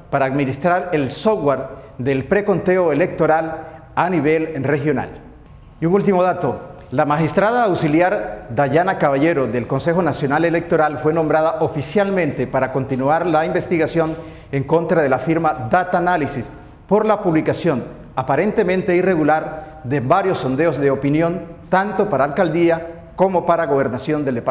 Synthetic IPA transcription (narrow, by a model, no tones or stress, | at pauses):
paɾaːdmĩnist̪ɾaɾe̞lsowaɾðelpɾe̞ko̞nt̪e̞oele̞k̚t̪o̞ɾal | aniβ̞e̞lre̞xjo̞na̰l | iuŋult̪imo̞ðat̪o̞ | lamaxist̪ɾaðaːwsiljaɾd̪aʝanakaβaʝe̞ɾo̞ðelko̞nse̞xonasjo̞nale̞le̞k̚t̪o̞ɾalfwe̞nombɾaðaʔo̞fisjalmẽ̞nt̪e̞paɾako̞nt̪inuaɾlaimbe̞st̪iɣasjo̞n | e̞ŋko̞nt̪ɾaðe̞lafiɾmaðat̪analisis | po̞ɾlapuβlikasjo̞n | apaɾe̞nt̪e̞mẽnt̪e̞ire̞ɣulaɾ | d̪eβaɾjo̞sːo̞nd̪e̞ozðe̞o̞pinjo̞nt̪ant̪o̞paɾaːlkald̪ia | ko̞mo̞paɾaɣo̞β̞e̞ɾnasjo̞nd̪eld̪epa